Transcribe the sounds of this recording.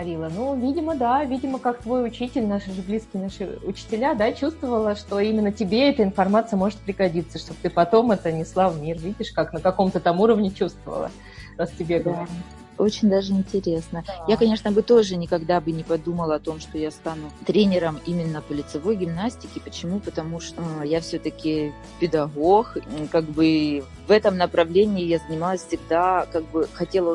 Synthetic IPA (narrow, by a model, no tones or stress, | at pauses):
ɐɾʲilˠənuvʲidʲɪməd̪avʲidʲɪməkak̚t̪vo̞jʊt͡ɕitʲɪlʲnaʂʐɨblʲiskʲɪjnaʂɨʊt͡ɕɪ̥tʲɪlʲad̪at͡ɕust̪vəvəlˠəʂt̪o̞imʲɪnːətʲɪbʲe̞ɛt̪əɪnfɐrmat̪sɨjəmo̞ʐɨt̪̚pɾʲɪɡɐdʲit̪sːəʂt̪o̞b̚t̪ɨpɐt̪o̞mɛt̪ənʲɪslˠavmʲirvʲidʲɪʂkaknəkɐko̞mt̪ət̪amuɾəvnʲɪt͡ɕust̪və̰və̰lˠə̰ | ɾastʲɪbʲe̞ɡəɐ | o̞t͡ɕɪnʲd̪aʐɨɪnʲtʲɪɾʲe̞snəjakɐnʲe̞ʂnəbɨt̪o̞ʐɨnʲɪkɐɡd̪abɨnʲɪpɐd̪uməlˠəɐt̪o̞mʂt̪o̞jast̪anʊt̪ɾʲenʲɪɾəmimʲɪnːəpəlʲɪt̪sɨvo̞jɡʲɪmnasʲtʲɪkʲɪpət͡ɕɪmupət̪ɐmuʂt̪ojafsʲɵt̪əkʲɪ | pʲɪd̪ɐɣo̞xkaɡ̚bɨ | vɛt̪əmnəpɾɐvlʲenʲɪːjazənʲɪmalˠəsʲfsʲɪɡd̪akaɡ̚bɨxɐtʲe̞lˠə